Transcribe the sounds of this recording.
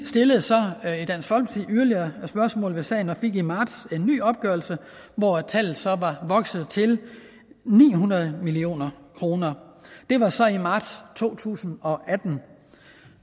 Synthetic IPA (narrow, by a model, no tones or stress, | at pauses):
sd̥e̝ləð̩ˠsɒ̽id̥æn̰sɡ̥fɒ̽l̰msiyɐliɐsb̥ɶɐsmɔ̰̽ːlʋe̝sɛ̰ːɪn̩ɒfe̝ɡ̥imɑ̈ːd̥se̝nːy̰ːɒ̽b̥̚ɡ̥œɐlsə | ʋɒt͡sʰæl̰ð̩ˠsɒ̽ʋɑ̈ʋɒ̽ɡ̥sð̩ˠt͡sʰe̝l | nḭːɦunɐð̞̩ˠmilio̝̰ːnɐkʰʁo̝ːnɐd̥e̝ʋɑ̈sɒ̽imɑ̈ːd̥st͡sʰo̝̰ːt͡sʰṵːsn̩ɒ̽ʔæd̥n̩